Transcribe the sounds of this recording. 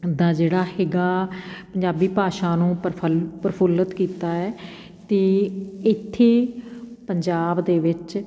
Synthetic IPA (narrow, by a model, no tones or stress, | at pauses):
d̪ãːd͡ʒeːɽaːhɪɡaːpəɲd͡ʒaːbiːpaːʃãːnũːpəɾpʰʊlət̪kiːt̪aːɛː | t̪eːɪt̪ʰːeːpəɲd͡ʒaːbd̪eːʋɪt͡ʃ